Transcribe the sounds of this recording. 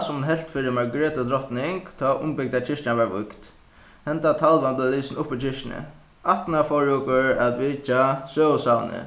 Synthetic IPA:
sʊmnɦɛl̥t̪fɪɾɪmaɹɡɹɛːt̪ʊd̪ɾɔht̪nɪŋkt̪ʰaʔʊ̰mpɪk̚t̪at͡ʃʰɪʂt͡ʃavaɹvʊ̰kt̪ | hɛnt̪at̪ʰalvanblaliːsɪnʊhpːit͡ʃʰɪʂt͡ʃɪnɪ̰ | aht̪nafɔɹuːkəɹat̪vɪt͡ʃasøːʊsawnɪ̰

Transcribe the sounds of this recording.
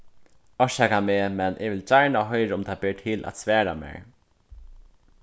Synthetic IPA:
ɔʃɛkameːmɛnʔɪʋɪlt͡ɕaɹnaɦɔjɾʊmt̪ʰabɪɹʈ̪ʰɪːlʔa̰t̪svɛːɾa̰mḛːɹ

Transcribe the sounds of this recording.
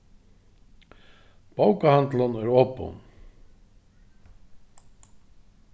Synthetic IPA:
paːwkahant̪lanɛɾɔːpo̰wn

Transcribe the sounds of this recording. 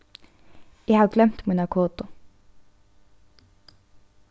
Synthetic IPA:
iːhɑːɡlɛmt̪munʊkʰoːt̪ʊ

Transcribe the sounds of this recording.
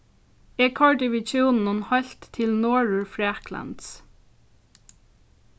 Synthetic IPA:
ɛːkʰɑɹɖɪʋɪt͡ʃuːnn̩ʊnhɑlt̪tʰɪlnoːɹʉɹfɹæːkʰlə̰nd̪s

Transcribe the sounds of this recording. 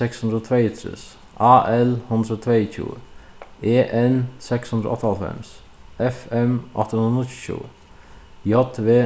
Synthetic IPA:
sɛkshʉnd̪ɾəoːt̪ʰɾɛɪt̪ʰɾɪ̰s | ʔɑːʔɛlhʉnd̪ɾəoːt̪ʰɾeɪçʰṵː | eːʔɛnsɛkshʉnd̪ɾə̰ɔ̰t̪ːəɑlfɛ̰ms | ɛfɛmʔɔ̰t̪ːəhnnt̪ʃṵː | jɔt̪ʋeː

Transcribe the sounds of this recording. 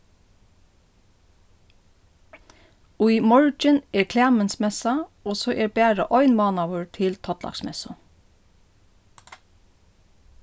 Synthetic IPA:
ʊʏmɔɹd͡ʒəneːɹkʰlæːmənsmɛsɑoːsoːʔeːɹbæːɹə̰ʔɔʏnmɑːnɑʋəɹt̪ʰɪlt̪ʰɔt̪lʔɑ̰ksmɛ̰sʊ

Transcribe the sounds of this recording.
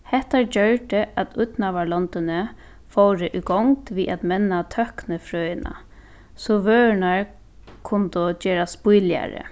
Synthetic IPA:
hɛht̪aɹd͡ʒœɹɖɪʔat̪ʰʊt̪naʋaɭɔnt̪ɪnɪ | fowɾɪʔiɡɔŋt̪ʋiːʔat̪mɛnːat̪ʰœhknɪfɾøːjɪna̰ | sɔʋøːnaɹ | kʰʊnt̪ʊd͡ʒɛːɾaspʊjlja̰ɾɪ̰

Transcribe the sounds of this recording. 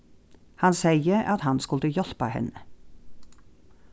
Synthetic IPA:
hɑnsæɪəʔɑt̪hɑnskʉlt̪əjɔlpɑ̰hɛ̰nə

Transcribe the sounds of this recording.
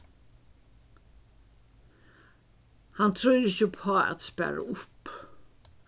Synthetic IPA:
hant̪ʰɾœjɾɪht͡ʃəpʰɔːɛ̰t̪spæ̰ɾa̰ʊp

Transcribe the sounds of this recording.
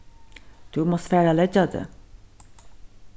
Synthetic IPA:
d̪̥ʉːmɔsfæːɾɑlɛd͡ʒɑd̪ḛ

